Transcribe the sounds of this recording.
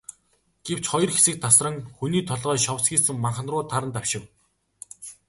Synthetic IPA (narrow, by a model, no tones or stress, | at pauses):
ɡ̥ew̥t͡ɕχɔjɞ̆rxesɘ̆k̚t̪ʰːasrə̆ŋxuniːt̪ʰɔɮʁœːʃɔwsɡʲiːsɘ̆ŋmaɴχ̆nrʊːt̪ʰaɾə̆nt̪awʃɪ̆w